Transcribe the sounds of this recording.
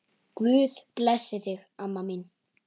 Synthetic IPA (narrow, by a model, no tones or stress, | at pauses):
kvʏːðplɛsːɪθɪɣamːamin